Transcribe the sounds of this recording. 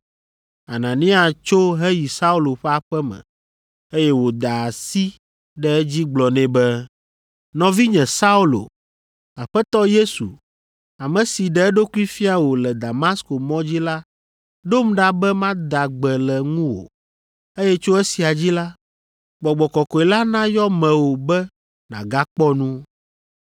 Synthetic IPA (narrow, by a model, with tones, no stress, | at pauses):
a˨nã˨nĩ˦a˨st͡ʃo˦ɦɛ˦ji˨sa˦u˦lo˨ɸɛ˦a˨ɸɛ˦mɛ̰̃˨ | e˦jɛ˦wo˨d̪a˨si˦ | ɖɛ˨ɛ˦d͡ʑi˦ɡ͡blɔ˨nɛ̃˦bɛ˦ | nɔ̃˨vi˦ɲɛ̃˨sa˦u˦lo̰˨ | a˨ɸɛ˦t̪ɔ˦je˦sṵ˨ | a˨mɛ̃˨si˨ɖɛ˨ɛ˦ɖo˦ku˦i˦fi˦a˨wo˨lɛ˨d̪a˨ma˦sko˨mɔ̃˦d͡ʑi˦la˦ | ɖo˦mɖa˦bɛ˦mã˦d̪a˨ɡ͡bɛ˨lɛ˨ŋũ˦wo̰˨ | e˦jɛ˦t͡ʃo˦ɛ˦si˨a˨d͡ʑi˦la˦ | ɡ͡bɔ˨ɡ͡bɔ˨kɔ˨kɔ˨ɛ˨la˦nã˦jɔ˦mɛ̃˨wo˨bɛ˦ | nã̰˨ɡa˦k͡pɔ˦nũ˦